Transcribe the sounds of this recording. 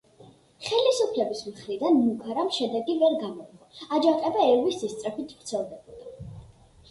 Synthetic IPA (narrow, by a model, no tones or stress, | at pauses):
χɛlisupʰlɛbismχɾid̪anmukʰaɾamʃɛd̪ɛɡivɛɾɡamɔɾɡɔad͡ʒaqʼɛbaɛɾwisːist̪sʼɾɛpit̪ʰb̥ɾt̪sʰɛlˠd̪ɛbɔd̪a